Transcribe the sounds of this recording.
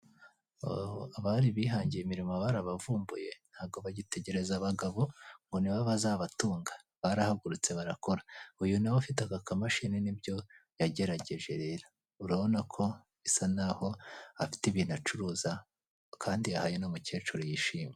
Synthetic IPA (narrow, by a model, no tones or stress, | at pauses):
aβaɾiβiːɦaːɲɟijemiɾimoβaɾaβavuːmbuje̞n̥haːβ̚ɡo̞βaɟite̞ɟe̞ɾe̞zaβaɡaβo̞ŋɡo̞niβaβazaβatuːŋɡḁ | βaɾahaɡuɾut͡se̞βaɾako̞ɾaujunaβofitakakamaʃininibɟo̞jaɟe̞ɾaɟe̞ʒe̞ɾe̞ːɾḁ | uɾaβonakʰo̞ | isanaho̞afi̥tiβinat͡ʃuɾuːza | kʰaːndiahajenomuce̞ːt͡ʃuɾijiʃiːme